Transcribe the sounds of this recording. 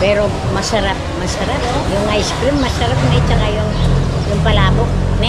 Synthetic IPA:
pɛɾo | mɐsɐɾap̚mɐsɐɾap̚jʊŋaɪskɾɪmːɐsɐɾap̚nɛt͡ʃɐkajʊŋjʊŋpɐlaːbokna

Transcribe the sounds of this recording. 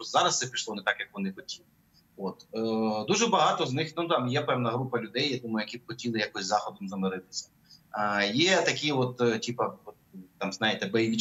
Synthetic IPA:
ɔzɑɾɐsɛpʲiʃlˠɔnɛt̪ɑkjɐkʋɔnɪxɔtʲilˠɪ | ot̪ːd̪uʒɛbɐɦɑt̪ɔznɪxnut̪ɑmjɛpɛwnɐɦɾupɐlʲʊd̪ɛjjad̪umɐjʊjɐkʲib̚xɔtʲilˠɪjakɔsʲzɑxɔd̪ɔmzɐmɪɾɪt̪ɪ̥sʲɐ̥ | jɛt̪ɐkʲiʋɔt̪tʲipɐɔt̪t̪ɑmznɑjɪt̪ɛbɛjʋʲi

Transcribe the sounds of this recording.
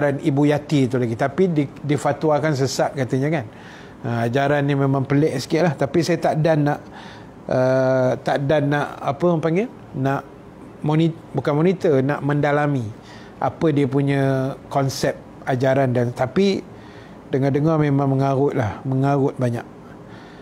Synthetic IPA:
ɾanibujat̪it̪ulaɡit̪apididifat̪uwakans̬əsat̪̚kat̪əɲəkan | əad͡ʒaɾanːimemãŋpəlɛʔsə̥kiʔlaht̪apisajət̪aʔdanːaʔ | ʔət̪aʔdanːaʔa̰pəəpaŋɡe | naʔ | moni | bukanmɔnit̪ənaʔmə̃ndalami | ʔa̰pədiəpuɲə̃kɔnsɛp̚ | ad͡ʒaɾandant̪api | dəŋandəŋɔmemãŋməŋaɣʊt̪̚lahməŋaɣʊt̪̚baɲaʔ

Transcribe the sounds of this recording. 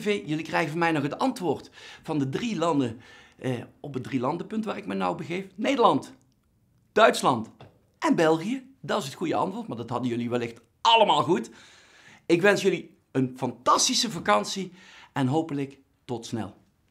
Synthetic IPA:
vejjɵlikrɛjɣəvɑnmɛjnɔχətɑntʋʊːrtfɑndədrilɑndə | ɔpədrilɑndəpɵntʋaːrɪkmɛjnawbəɣejfnejdəɹlɑnt | d̥œɥtslɑnt | ʔɛnbɛlˠɣijə | dɑtɪs̬ɦətχujəɑ̰ntʋʊːɹtmaːɹdɑtɦɑdənjɵliʋɛlɪxt | ɑləmaːlˠɣut | ɪkʋɛnsjɵli | ənfɑntɑstisəvɑkɑnsi | ɛnɦowpələk | tɔtsnɛ̰lˠ

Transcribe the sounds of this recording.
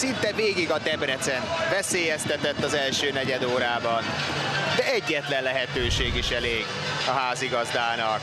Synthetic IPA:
sint̪ɛveːɡiɡɒt̪ɛbɾɛt̪sɛnvɛseːjɛst̪ɛt̪ɛt̪ːɒzɛlʃøːnɛɟɛd̪oːɾaːbɒnd̪ɛɛɟːɛt̪lɛnlɛɦɛt̪øːʃeːɡiʃɛleːɡ | ɒɦaːziɡɒzd̪aːnɒk

